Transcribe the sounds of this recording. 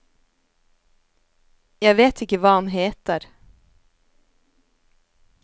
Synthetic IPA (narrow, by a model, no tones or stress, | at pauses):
jæɪveːt̪ʰɪkːəvɑːhanɦeːt̪əɾ